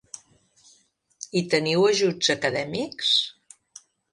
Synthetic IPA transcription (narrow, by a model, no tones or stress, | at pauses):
it̪əniwəʒud͡zəkəðɛmiks